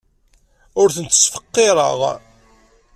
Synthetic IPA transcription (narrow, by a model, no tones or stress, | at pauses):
ʊɾθənt̪ːə̥sfə̥qːeɾˤə̰ʁ